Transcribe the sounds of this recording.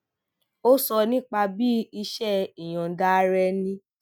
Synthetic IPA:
o˦sɔ˧nĩ˦k͡pa˧bi˦i˧ʃɛ˦˨i˨j̃ɔ̃˨da˦ɾɛ˧˦nĩ˦

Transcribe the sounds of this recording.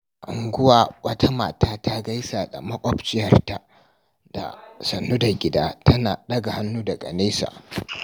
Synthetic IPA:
ʔa̰˨ŋɡʷʊ˦waː˨wɐ˦tʰa˦ma̰ː˨taː˦ta˦ɡa˦jsaː˨da̰˨mɐ˦kʷʼɔ˦pt͡ʃɪ˦jɐ˨rta˨ | d̥a̰˨sɐ˨nːuː˦da˨ɡʲɪ˨daː˦tɐ˦naː˨ɗɐ˦ɡa˨ha˦nːuː˦da˨ɡʼɐ̰˨neː˦sa̰ː˨

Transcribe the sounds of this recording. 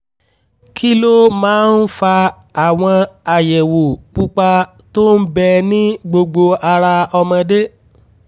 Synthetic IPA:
kʰi˦lo˦mãː˨˦n̩˦fa˧ | a˨w̃ɔ̃˧a˨jɛ˨wo˨k͡pu˦k͡pa˧ | to˦n̩˦bɛ˧nĩ˦ɡ͡bo˧ɡ͡bo˧a˧ɾa˧ɔ˧mɔ̃˧de˦

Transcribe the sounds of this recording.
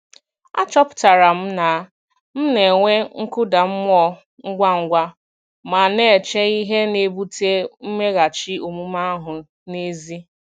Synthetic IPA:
a̰˦t͡ʃɔ˦pʊ̥˨ta˨ɾa˨m̩˦na˨˦ | m̩˦ne˨ŋʷe˦ŋ̩˦kʊ˦da˨m̩˦m˦ɔ˦ | ŋ̩˦ɡʷa˦ŋ̩˦ɡʷa˦ | ma˨ne˦˨e˨t͡ʃe˦i˦ɦe˦ne˨bu˦te˦m̩˦me˦ɣa˨t͡ʃi˦o˨mu˦ma˦ɦʊ˨ | ne˦zi˦

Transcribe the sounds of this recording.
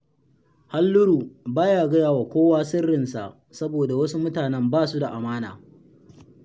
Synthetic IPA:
ha˦lːʊ˦ɾuː˨baː˦jaː˨ɡɐ˦jaː˨wa˨kʷoː˦waː˦sɪ˦rːɪ˨nsa̰˨ʔ | sɐ˦boː˨da˨wɐ˦su˦mʊ˦taː˨nɛ˦mbaː˦˨su˦da˨ʔa˨maː˦na̰ː˨

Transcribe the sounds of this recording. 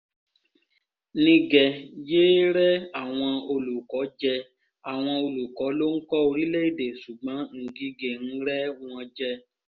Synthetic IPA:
nĩ˧ɡɛ˨je˦ɾɛ˦a˨w̃ɔ̃˧o˧lu˨kɔ˨˦d͡ʒɛ˧ | a˨w̃ɔ̃˧o˧lu˨kɔ˨˦lo˦ŋ̩˦kɔ˦o˧ɾi˦le˦i˦˨de˨su˨ɡ͡bɔ̃˨˦ŋ̩˨ɡi˧ɡe˨n̩˦ɾɛ˦w̃ɔ̃˧d͡ʒɛ˦

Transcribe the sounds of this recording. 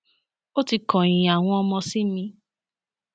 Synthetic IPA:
o˦ti˧kɔ̃˨j̃ĩ˨a˨w̃ɔ̃˧ɔ˧mɔ̃˧si˦mĩ˧

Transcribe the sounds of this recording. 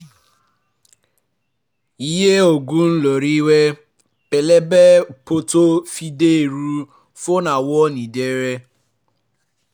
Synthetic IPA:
i˦ɦe˦o˨ɡu˦n̩˦lo˨ɾi˦we˦ | pe˨le˦be˦po˦to˦fi˦de˦e˨ɾu˦ | fo˦na˨wɔ˦ni˨de˦ɾe˦

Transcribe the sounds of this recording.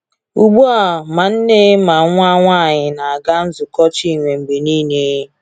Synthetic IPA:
u˨ɡ͡bu˦a˨ma˨n̩˦ne˦ma˨˦ŋʷ˦a˦ŋʷa˦˨ɲɪ˨na˨a˨ɡa˦n̩˦zʊ˨kɔ˦t͡ʃi˦˨ŋʷe˨ŋ͡m̩˨ɡ͡be˨niː˦ne˦

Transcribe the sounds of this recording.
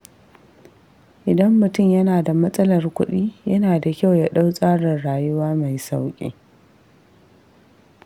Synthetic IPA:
ʔɪ˨dɐ˦mːʊ˨tʊ˦˨mjɐ˦naː˨da˨mɐ˦sʼɐ˦lɐ˨rkʷʊ˦ɗiː˦jɐ˦naː˨da˨kʲa˦˨wja˦ɗa˦wsʼaː˦ɽɪ˨nɽaː˨jʊ˦waː˦ma˨jsa˦wkʲʼḛː˦

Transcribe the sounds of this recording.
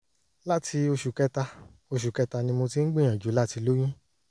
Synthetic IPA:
la˦tʰi˧o˧ʃu˨kɛ˦ta˧ | o˧ʃu˨kɛ˧ta˧nĩ˧mo˧ti˦n̩˦ɡ͡bĩ˦˨ã˨d͡ʒu˨˦la˦ti˧lo˦j̃ĩ˦

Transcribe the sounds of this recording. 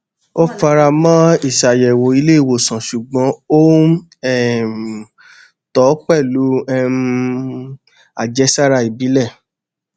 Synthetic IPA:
o˦fa˧ɾa˧mã˦i˦˨ʃa˨jɛ˨wo˨i˧˦le˦i˦˨wo˨sã˨ʃu˨ɡ͡bɔ̃˨˦o˦ | ɛ˦˨ | tɔ˨˦k͡pɛ˦˨lu˨˦ɛ˦ | a˨d͡ʒɛ˧˦sa˦ɾa˧i˨bi˨˦lɛ˦˨

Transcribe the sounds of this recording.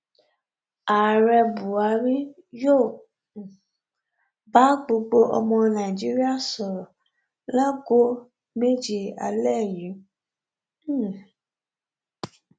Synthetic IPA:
a˨ɾɛ˧bu˨a˧ɾi˦ | jo˦˨ | ba˨˦ɡ͡bo˧ɡ͡bo˧ʔɔ̰˧mɔ̃˧nã˨i˨d͡ʒi˨˦ɾi˦a˦˨sɔ˨ɾɔ˨ | la˦ɡo˦ | me˦d͡ʒi˦˨a̰˧lɛ˦˨jĩ˨˦

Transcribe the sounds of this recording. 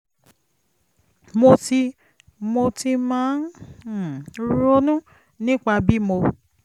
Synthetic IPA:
mo˧ti˧ | mo˧ti˧mãː˨˦n˨ | ɾo˦nũ˦ | nĩ˦k͡pa˧bi˦mo˧

